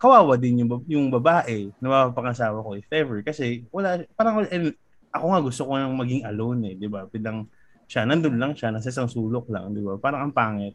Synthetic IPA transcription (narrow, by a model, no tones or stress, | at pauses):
kɐwaːwɐd̪ɪnjʊŋbɐjʊŋbɐbaːʔɛnɐbaapɐŋɐsaːwɐkoʔɪfɛvɛɹkɐsɛwɐlapaːɾɐŋwɐlʔɛ | ʔɐko̞ŋaɡʊst̪okonɐŋmɐɡiŋɐlownɛd̪ɪbapilɐŋ | ʃanɐnd̪onlɐŋʃanɐs̬ɐʔɪsaŋsuːlok̚lɐ̰ŋd̪ɪbapaːɾɐŋʔɐŋpaːŋɛt̪̚